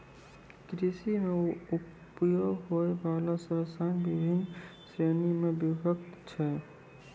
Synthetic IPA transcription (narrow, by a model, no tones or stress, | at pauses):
kɾisimeu | pjoɡɦojbaːlasəɾəsanbibʱin | senimebibʱək̚t̪t͡ʃʰɛ